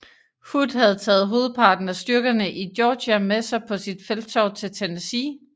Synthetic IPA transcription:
hud̥hæð̞̩ˠt͡sʰɛ̰ːð̩ˠɦo̝ːð̩ˠpʰɑ̈ːd̥n̩æsd̥yɐɡ̥ɐnəʔidjɒːɕæmesɑ̈ɪpʰɒ̽sid̥feld̥t͡sʰɒʊ̰t͡sʰe̝lt͡sʰenæsi

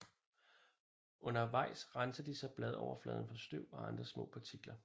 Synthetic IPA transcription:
ʔɔ̽nɐʋɑ̈ɪ̰sʁɑnsəd̥isɑ̈ɪb̥lɛð̞ˠɒʊɐflɛ̰ːð̞ˠn̩fɒ̽sd̥øʊ̰ɒɑ̈nd̥ʁɐsmɔ̰̽ːpʰɑ̈t͡sʰiɡ̥lɐ

